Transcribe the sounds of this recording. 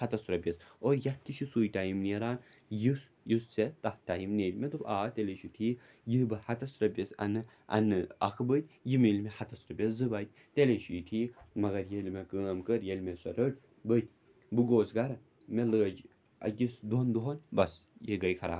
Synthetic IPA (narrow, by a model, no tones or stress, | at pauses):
hɐt̪ɐsuɾɐbʲɐsoɾjɐt̪ːiʃisuːjt̪aːjimneɾaːn | jis | jist͡set̪ɐht̪aːjimneːlʲmʲet̪ubaːt̪eleʃit̪ʰiː | jibɐhɐt̪ɐsɾɐbʲɐsɐ̰nɨ | ʔɐ̰nɨɐ̰kʰbət̪ʲjimilmehɐt̪ʰɐsɾɐbʲeszɨbat̪̚ʲ | t̪eleʃit̪ʰimɐɡɐɾjelʲmʲekəːmkəɾjelmʲesʷɐɾəʈ | bət̪ʲ | bɨɡoːsɡɐɾɐ | melɨːd͡ʒ | ɐ̰kisd̪ond̪uɦonbɐsjeɡɐjkʰɐɾa̰ː